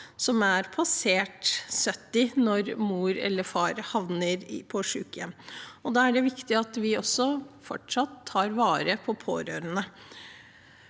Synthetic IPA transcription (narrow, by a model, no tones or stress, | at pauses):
sɔmæɾpʰɑseːʈsœt̪ːɪnɔɾmuːɾɛ̰lːəɾfɑːɾhɑʋnəɾpʰɔʂʉ̰ːkjɛmɔd̪ɑːæɖɛʋɪkt̪ɪɑt̪ʋɪɔsːɔfɔ̰ʈʂɑt̪ʰːɑːɾʋɑːɾəpʰɔpʰo̰ːɾø̰ːɾənə